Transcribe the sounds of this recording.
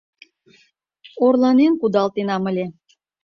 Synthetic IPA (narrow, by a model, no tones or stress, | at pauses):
orlˠɑnenkud̪ɑlt̪enɑmə̆lʲe